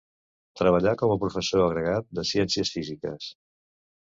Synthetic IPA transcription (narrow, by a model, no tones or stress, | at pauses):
t̪ɾəβəʎakɔməpɾufəsoəɣɾəɣat̪̚d̪əsiɛnsiəsfizikə̰s